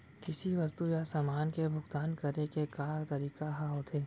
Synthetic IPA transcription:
kɪsiʋɐst̪ujasaːmaːnkebʱʊɡt̪aːnkɐɾnekekaːɾt̪ɐɾiːkaɦaɦot̪ʰeː

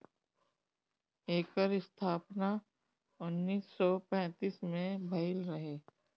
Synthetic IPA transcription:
eːkəɾɪst̪ʰaːpna | ʊnːiːsːɔpɛ̃ːt̪iːsmẽbʱɐɪlɾɐɦeː

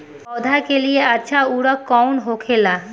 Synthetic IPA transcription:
ɔd̪ʱakelijeaʃʰauɽɔkːɔwnɦokʰela

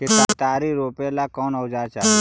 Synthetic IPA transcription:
ket̪at̪aɾiɾopelakɔnəʋd͡ʒat͡ʃʰa

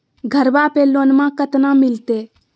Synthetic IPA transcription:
ɡʱəɾbaːpeːloːnmãːkət̪nãːmɪlt̪eː

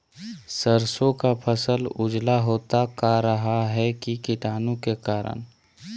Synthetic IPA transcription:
səɾsõkapʰəsəlʊd͡ʒlaɦoːt̪akaɾəɦaɦɛkikɪʈaːnõkekaːɾə̰n

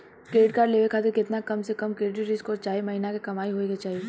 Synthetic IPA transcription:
kɾeːɪʈkaːɖleːʋekʰaːt̪̬ekɪt̪nakɐmsekɐmkeːɖiɾɪskoːɾt͡ʃaːɦiemɐɦinakekɐmaːiɦoeket͡ʃaːɦie

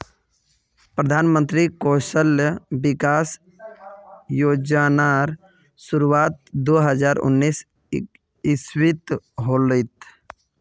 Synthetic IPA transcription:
pɾəd̪ʱanmə̃nt̪ɾikosəlbikas | jod͡ʒanaɾ | suɾuat̪̚d̪oɦəd͡ʒaɾṵnːis | iswit̪ɦoləjt̪

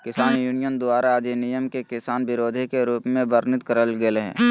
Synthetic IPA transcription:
kɪsaːnjuːnijənd̪ʊaːɾad͡ʒenɪjəmkekɪsaːnbɪɾoːd̪ʱikeɾuːpmẽʋəɾnɪt̪kəɾəlɡelɦɛ̰̃ː

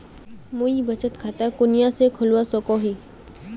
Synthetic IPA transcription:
muibət͡ʃət̪kʰat̪akʊnɪjãsekʰʊlwasɔkoɦiː

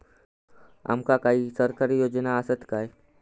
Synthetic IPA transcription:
a̰mkakaɦiːsəɾkaɾijod͡ʑnaəsət̪kaj

